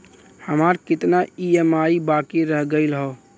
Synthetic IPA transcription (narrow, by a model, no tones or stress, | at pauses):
həmaɾkɪt̪naiemaibakiɾəɦɡəɪlɦɔ